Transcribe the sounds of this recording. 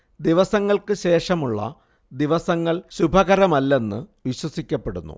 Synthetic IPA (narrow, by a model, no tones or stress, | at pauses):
d̪iʋɐsɐŋːɐɭkɨɕe̞ːʂɐmuɭːɐ̰ | d̪iʋɐsɐŋːɐɭɕubʱɐɣɐɾɐmɐlːe̞nːɨʋiɕwɐsikʲːɐpːe̞ɽṵnːṵ